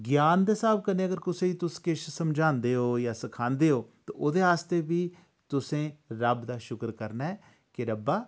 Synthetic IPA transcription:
ɡjaːnd̪eːsaːb̚kəneːəɡəɾkʊsẽːiːt̪ʊskɪʃsəmd͡ʒaːnd̪eːoːjaːsəkʰãːnd̪eːoːt̪ã̰ːʔoːd̪eːaːst̪eːbiː | t̪ʊsẽːɾəbd̪aːʃʊkɾkəɾnaːɛː | kɪɾəbaː

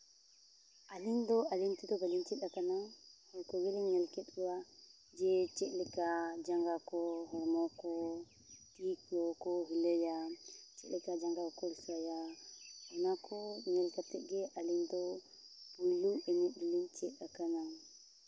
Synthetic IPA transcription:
ʔalindɔalintidɔbalint͡ʃiɗakanaŋhɔlkɔɡelɛɲɛlkɛɗwa | d͡ʒɛt͡ʃɛʔlikad͡ʒaŋɡakɔhɔɾmɔkɔ | tikɔkɔɦulejat͡ʃɛʔlikad͡ʒaŋɡakɔlsajawɔnakɔɲɛlkatɛɡɛʔalindɔ | b̥ulːuʔɛɲɛilint͡ʃiɗakanaŋ

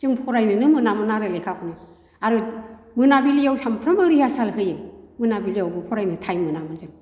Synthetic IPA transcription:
zɯŋpʰɔɾajnɯnɯmɯnamɯnaɾɯlekʰakʰɔnɯ | aɾɯ | mɯnabilijawɬʰampʰɾambɯɾihasalɦɯjɯmɯnabilijawbɯpʰɔɾajnɯtʰajmɯnamɯnzɯŋ

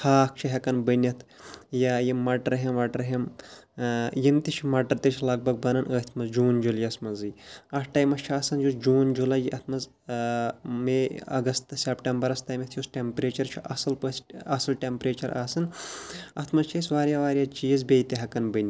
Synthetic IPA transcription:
hʰaːk̚t͡ʃʰiɦʲɐkɐnbɨnʲɐt̪ʰjajimɐʈɐɾɦimʋɐʈɾɦim | jimt̪it͡ʃʰmɐʈɐɾt̪it͡ʃʰlɐɡ̚bɐɡ̚bɐnɐnəːt̪ʰmɐzd͡ʒuːnd͡ʒuljɐsmɐzɨɐhʈɐːjmɐt͡ʃʰiaːsɐnd͡ʒusd͡ʒuːnd͡ʒulɐjiʔɐt̪ʰmɐz | meɐ̰ɡɐst̪sepʈɐmbɐɾɐst̪aːjmɐt̪ʰjusʈʲempɾeːt͡ʃɐɾt͡ʃʰiʔɐsɐlpɐsɐsɐlʈempɾeːt͡ʃɐɾaːsɐnɐt̪ʰmɐzt͡ʃʰisʲʋaːɾjaːʋaːɾjaːt͡ʃiːzbeːjt̪eɦʲɐkɐnbɨnʲi

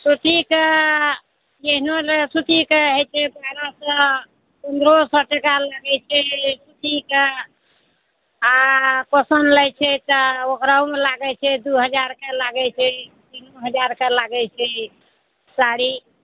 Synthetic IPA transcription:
suʈ̪ike | d͡ʒeɦnolesuʈ̪ikeɦet͡ʃʰɛbajɾasə̃ | pənd̪ɾosɔʈekalaɡɛt͡ʃʰɛsut̪ike | akosənlɛjt͡ʃʰɛt̪ɔokɾaumelaɡɛt͡ʃʰɛd̪uɦəd͡ʒaɾkelaɡɛt͡ʃʰɛ | t̪inoɦəd͡ʒaɾkelaɡɛt͡ʃʰɛ | saɾi

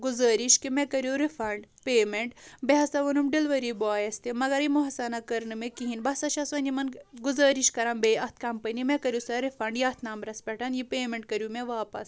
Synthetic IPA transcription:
ɡuzɐːɾiʃkimẽkɐɾjuɾifʰɐɳɖpeːmeɳʈ̚bɛɦɐsaʋɐnumɖilʋɐɾibɔaːjɐst̪imɐɡɐɾimɔɦɐsanakɐɾnɨmekiɦinbɐsɐʃasʋɐnimɐnɡuzɐːɾiʃkɐɾãmbeːɐt̪ʰkɐmpɐnimẽkɐɾjusɐɾifʰɐɳɖjaːt̪ʰnaːmbɾɐspʲɛʈɐnjipeːmeɳʈ̚kɐɾjumẽʋaːpɐ̰s

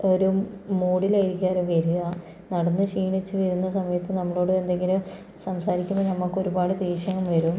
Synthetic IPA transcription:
o̞ɾu | moːɽilajiɾikʲːaːɾuʋɐɾuɣɐ | nɐɽɐnːɨʂiːɳit͡ɕːɨʋɐɾunːɐsɐmɐjɐt̪ːɨnɐmːɐɭo̞ːɽɨend̪e̞ŋɡilum | sɐmsaːɾikʲːumɐnɐmːɐkːo̞ɾubaːɽɨd̪iːʂjɐŋɐmʋɐɾum

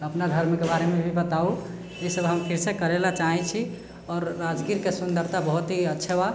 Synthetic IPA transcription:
əpnad̪ʱəɾmkebaɾemebʱibət̪au | isəbɦəmpʰiɾsekəɾelat͡ʃaɦɛt͡ʃʰi | ɔːɾːad͡ʒɡiɾkesund̪əɾt̪abəɦut̪ɦiətːʃʰeba

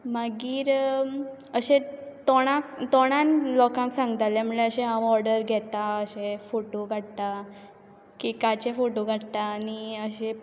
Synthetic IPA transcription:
maɡiːɾ | əɕet̪ɔɽ̃ãkt̪ɔɽ̃anlɔkãŋksãŋɡt̪alem̤əɭeəɕẽɦãɔɾɽəɾɡʱɛt̪aəɕefoʈoɡʱaɽt̪a | kikat͡ɕefoʈoɡʱaɽt̪aːniəɕe

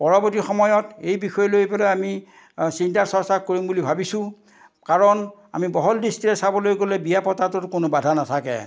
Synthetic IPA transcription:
pɔɹɔbɔtixɔmɔjɔtejbixɔjɛlojpɛlɛami | sintaɹsɔɹsakkoɹimbulibʱabisʊ̃ | kaɹɔna̰mibɔɦɔldistiɹɛsabɔlojɡolɛbijapɔtatʊtkonobadʱanatʰakɛ̰

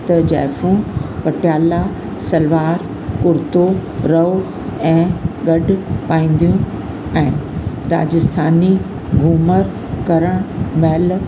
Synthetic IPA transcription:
t̪ɐd͡ʑɛ̰ːfũpɐʈjaːla | sɐlʋaːɾ | kʊɾt̪oɾɐo | ɛ̃ːɡɐɖʱpaːĩːn̆d̪ijũ | ɛ̃ː | ɾa̰ːd͡ʑɪst̪ʰaːni | ɡʱuːməɾ | kɐɾəɽ̃mɛːl

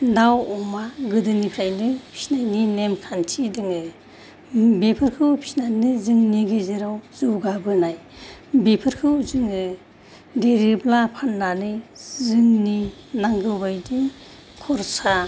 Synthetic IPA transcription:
dawɔmaɡɯdɯnipʰɾajnɯpʰi̥snajninemkʰantʰidɯŋɯ | bepʰɯɾkʰɯwpʰi̥snanɯzɯŋniɡezeɾawzɯwɡabɯnajbepʰɯɾkʰɯwzɯŋɯ | deɾiblapʰanːanɯjzɯŋninaŋɡɯbajdiŋ | kʰɔɾsa

